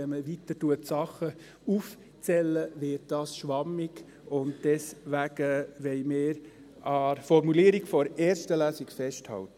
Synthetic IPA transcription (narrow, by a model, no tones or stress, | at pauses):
ɛməʋitətuətsɑχːə | uf | t͡sɛlːəʋɪːt̚d̥ɑːsʃʋɑmːɪɡ | ʊnt̚d̥ɛsʋæɡ̥əʋɛɪmɪːɾ | ɑfɔɾmuliːɾikfɔɾeːɾstəlæːsɪkfɛsthɑ̰ltə